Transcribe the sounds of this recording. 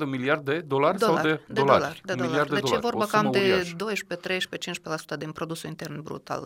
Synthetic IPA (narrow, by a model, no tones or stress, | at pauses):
d̪əmiliard̪ed̪olarʲawad̪ed̪eolaoɾlarʲd̪eolaɾdd̪eed̪ejḛevo̞rbakame̞d̪o̞jʃpe̞t̪ɾe̞jʃpe̞t͡ʃint͡ʃʲpelasu̥t̪əd̪inpɾo̞d̪usulint̪e̞rnbɾṵt̪a̰l